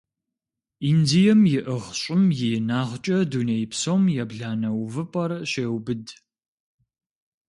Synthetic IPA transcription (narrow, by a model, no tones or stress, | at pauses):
iːndijɐmjɪʔəʁɕʼɪmjɪjnaːʁt͡ʃʼɐdunejpsomjɛbɮaːnɐwvɨpʼɐrɕeːwbɨd